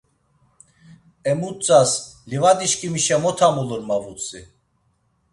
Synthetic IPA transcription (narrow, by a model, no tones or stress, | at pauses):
ɛmut͡sʼaslivad̪iʃkʼimiʃɛmɔt̪ʰamuləɾmavut͡sʰʼḭ